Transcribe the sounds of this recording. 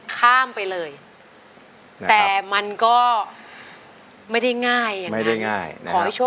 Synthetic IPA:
kʰaː˥˩mpa˧jlɤː˧j | t̪ɛː˨˩ma˧nkɔː˥˩ | ma˥˩jda˥˩jŋaː˥˩jːa˨ma˥˩a˥˩ŋaː˥˩jkʰɔː˨˩˦ɦjt͡ɕʰo˥˩

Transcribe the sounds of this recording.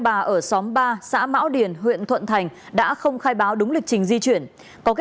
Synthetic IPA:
ɓaː˨˩ʔəː˧˩sɔ˨˦mɓaː˧sa̰ː˧˥ma̰ː˧˥wɗi˧˩ənɦwḭ˧˨ənt̪ʰə̰˧˨nt̪ʰa˨˩jŋ̟ | ɗa̰ː˧˥xə˧wŋ͡mxaː˧jɓaː˨˦wɗʊ˨˦ŋ͡mli˨˩k̚t͡ɕï˨˦ŋ̟zi˧t͡ɕwi˧˩ən | kɔ˨˦k

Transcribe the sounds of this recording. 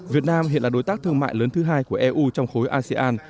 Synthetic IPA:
vi˨˩ət̚naː˧mɦḭ˧˨nlaː˨˩ɗo˨˦jt̪aː˦˥k̚t̪ʰɨ˧əŋma̰ː˧˨jləː˨˦nt̪ʰɨ˨˦ɦaː˧jku˧˩əʔɛ˧ʔuː˧t͡ɕɔ˧wŋ͡mxo˨˦jʔaː˧sɛ˧ʔaː˧n

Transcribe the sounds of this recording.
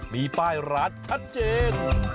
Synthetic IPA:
miː˧paː˥˩jɾaː˦˥t̪̚t͡ɕʰa˦˥t̪̚t͡ɕeː˧n

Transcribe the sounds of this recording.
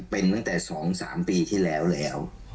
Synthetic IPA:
pe˧nt̪a˥˩ŋt̪ɛː˨˩sɔː˩˦ŋsaː˩˦mpiː˧t̪ʰiː˥˩lɛː˦˥wlɛː˦˥w

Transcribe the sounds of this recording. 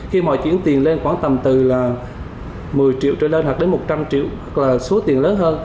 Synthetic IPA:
xi˧mɔ̰˧˨jt͡ɕḭ˧˥ənt̪i˨˩ənle˧nxwaː˧˩nt̪ə˨˩mt̪ɨ˨˩laː˨˩ | mɨ˨˩əjt͡ɕḭ˧˨wt͡ɕəː˧˨le˧nhwa˨˩k̚ɗe˨˦nmo˨˩t̚t͡ɕa˧mt͡ɕḭ˧˨əwɓa˦˥k̚laː˨˩so˨˦t̪i˨˩ənləː˨˦nɦəː˧n

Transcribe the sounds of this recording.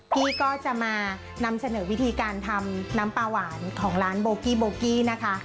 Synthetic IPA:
kiː˥˩kɔː˥˩t͡ɕa˨˩ʔmaː˧ | na˧msa˧nɤː˩˦wi˦˥t̪ʰiː˧kaː˧nt̪ʰa˧mnaː˦˥mpaː˧waː˩˦nkʰɔː˩˦ŋɾaː˦˥nboː˧kiː˥˩boː˧kiː˥˩na˦˥kʰa˦˥

